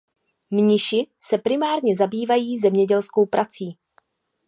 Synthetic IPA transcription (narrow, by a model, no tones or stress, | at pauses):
mɲɪʃɪsɛpɾɪmaːɾɲɛzabiːvajiːzɛmɲɛɟɛlsko̞wpɾʔat͡siː